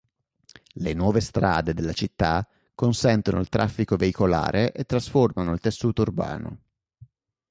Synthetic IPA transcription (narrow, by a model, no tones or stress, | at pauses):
lenwɔːvest̪ɾa̰ːd̪ed̪elːat͡ʃit̪ːa | konsɛnt̪ono̰ilt̪ɾʔa̰fːikoveikola̰ːɾʔeʔet̪ːɾasformanoilt̪esːuːt̪ourba̰ːno̰